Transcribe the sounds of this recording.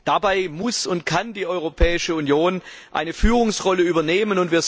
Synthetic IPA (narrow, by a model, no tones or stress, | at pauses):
d̥abaɪmʊsʊntkʰandiːʔɔʏʁopʰɛːɪʃəunjoːnʔa̰ɪnəfyːʁʊŋsʁɔləyːbɐneːmənʊntviːɐ